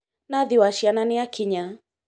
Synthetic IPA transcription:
naðiwaʃiananiakʰiɲa

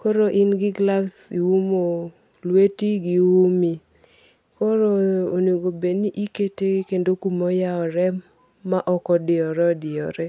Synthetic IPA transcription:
kɔɾoʔinɡɪɡlafsiwumo | lwetiɡiwumi | kɔɾoonoɡobeniʔiketekendokumɔjaɔɾɛ | maʔɔkɔdɪɔɾɔdɪɔɾɛ

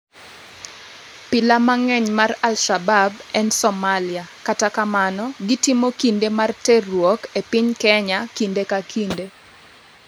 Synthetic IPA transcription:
pɪlamaŋɛɲmaralʃababɛnsɔmalɪakatakamanɔɡitimokindemartɛrwɔkepɪɲkɛɲakindekakʰinde

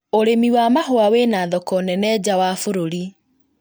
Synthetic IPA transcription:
oɾemiwamaɦoaweːnaðɔkɔnɛnɛd͡ʑawaːfoɾoɾi

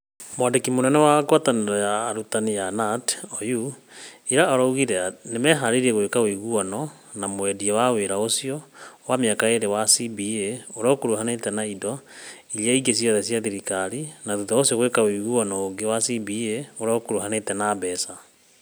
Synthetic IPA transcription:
mwadekimonɛnɛwaɡwataneɾɔjaːɾutanijanatɔjuiɾaaɾɔuɣiɾɛanemɛɦaɾeɾiɛɣoekaoiɣuɔnɔ | namowɛdiawaweɾaosiɔwameakaeɾewasibieoɾaokoɾuhanetɛnaidɔiliaiɡes̬iɔðɛsjaðiɾikaɾinaðuðaosijɔɣoekaoiɣuɔnɔoɡewasibieoɾaokoɾuɦanetɛnabɛsa

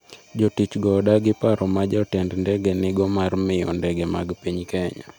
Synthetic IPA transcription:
d͡ʒotit͡ʃɡɔdaɡɪpaɾɔmad͡ʒɔtɛndndɛɡenɪɡɔmarmɪjɔ̰ndɛɡɛmaɡpiɲkɛɲa̰

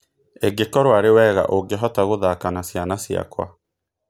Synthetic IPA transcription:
eɡekɔɾowaɾewɛːɣa̰ʔoɡeɦɔtaɣoðaːkanasjanasia̰kwa̰

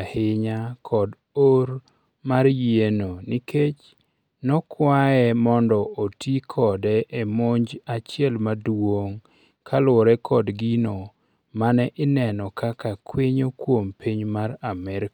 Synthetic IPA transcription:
ahɪɲakʰɔd | oɾ | marjenoniket͡ʃ | nɔkwaɛmɔndɔotikʰɔdɛʔemoɲd͡ʒat͡ʃɪɛlmadwoŋ | kʰalʊɾɛkʰɔdɡino | manɛʔɪnɛnɔkakakwiɲokwompiɲmaɾamɛɾk

